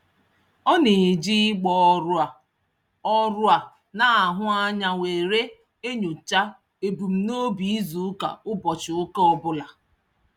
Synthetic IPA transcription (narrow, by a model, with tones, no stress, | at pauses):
ɔ˦ne˨d͡ʒi˦ɡ͡bɔ˨ | ɔ˦ɾʊ˦a˨ | na˨a˨ɦʊ˦a˦ɲa˦we˨ɾe˦ | e˦ɲo˨t͡ʃa˦ | e˨bu˨m̩˦no˦bi˨i˦zu˨˦ka̰˨ʊ˦bɔ˨t͡ʃɪ˨ʊ˦ke˦ɔ˦bʊ˦la˨